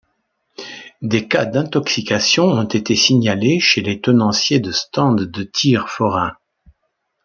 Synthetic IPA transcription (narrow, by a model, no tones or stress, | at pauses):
d̪ekad̪ɛ̃t̪ɔksikasjɔ̃ɔ̃t̪et̪esiɲaleʃelet̪ɔnɑ̃sjed̪əst̪ɑ̃d̪ːət̪ʰiʁfɔʁɛ̃